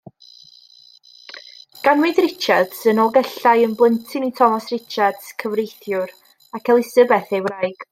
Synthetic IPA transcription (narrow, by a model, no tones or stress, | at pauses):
ɡ̥anwɪðrɪt͡ʃad̥sənɔlˠɡɛɬajənblˠəntʰɪnitʰɔmɔsrɪt͡ʃad̥skʰəvrejθjʊɾ | akʰɛlˠɪsəbɛθejwrajɡ̥